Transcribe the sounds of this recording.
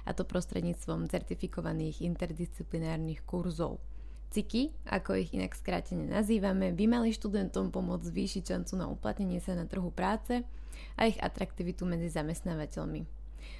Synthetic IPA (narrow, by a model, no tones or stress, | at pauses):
a̰t̪ɔpɾɔst̪ɾɛ̰d̪ɲiːt͡st̪ʋɔmt͡sɛɾt̪ifikɔʋaniːɣint̪ɛɾd̪ist͡siplinaːɾnixkuɾzɔ̰ʊ | t͡sikiʔa̰kɔiɣḭna̰kskɾa̰ːcɛɲɛnʔa̰ziːʋamɛbimaliʃt̪ud̪ɛnt̪ɔmpɔmʊɔd͡zzʋiːʃicʃant͡suna̰ṵpla̰t̪ɲɛɲɪɛsanat̪r̩ɦupɾaːt͡sɛ | ʔa̰iɣa̰t̪ɾakt̪iʋit̪umɛd͡zizamɛst̪naːʋacɛʎmi